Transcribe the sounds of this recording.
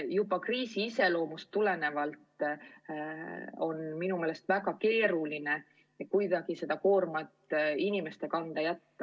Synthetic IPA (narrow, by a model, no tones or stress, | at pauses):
jub̥ɑkriːsiise̞lo̞ːmust̪ːule̞ne̞vɑlt̪ˑ | o̞nminume̞ːle̞st̪væɡɑke̞ːɾuline̞ | kujd̪̥ɑɡ̥ise̞d̪ɑko̞ːrmɑt̪ːˑinime̞st̪e̞kɑnd̪̥ɑjæt̪ːɑ